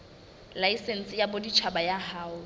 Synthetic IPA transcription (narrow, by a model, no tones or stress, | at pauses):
laisen̩sɪjabodit͡ʃʰabajahaːʊ